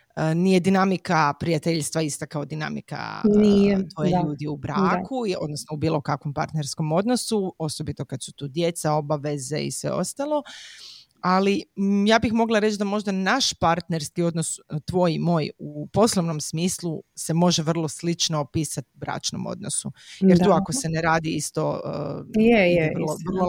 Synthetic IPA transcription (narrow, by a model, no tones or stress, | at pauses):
ənije̞d̪inamikapɾijat̪eʎst̪ʋaist̪akaod̪ina̰mḭka̰nit̪ojeʎuːd̪iubɾakʰuo̞̰d̪nosnoubiːlˠo̞kakʋo̞mpa̰ɾt̪ne̞ɾskomo̞d̪no̞suo̞so̞bit̪o̞kat̪su̥t̪uːd̪je̞t̪sao̞baʋe̞ze̞̰ḭsʋe̞̰o̞̰st̪alˠo̞ | alijaːbixmo̞ɡlˠaɾe̞t͡ʃd̪amo̞ʒd̪anaʃpaɾt̪neɾskio̞d̪no̞st̪ʋoːjimo̞ːjupo̞sloʋno̞msmiːsluse̞mo̞ʒeʋr̩lˠoslit͡ʃnoːpiːsat̪ubɾa̰ːt͡ʃno̰mo̰d̪no̰sujeɾt̪uːako̞se̞neɾaːd̪iist̪o̞əjeɛlorlo